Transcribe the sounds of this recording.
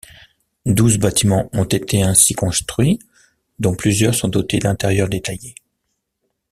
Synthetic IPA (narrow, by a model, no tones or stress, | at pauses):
d̪uzbat̪imɑ̃ɔ̃t̪et̪ʰeɛ̃sikɔ̃st̪χɥi | d̪ɔ̃plyzjœʁsɔ̃d̪ɔt̪ed̪ɛ̃t̪ɛʁjœʁd̪et̪aje